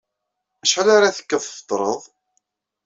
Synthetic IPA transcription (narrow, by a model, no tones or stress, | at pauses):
æʃħəlaɾaθə̥kːəðˤθfə̥t̪ˤːɾˤəðˤ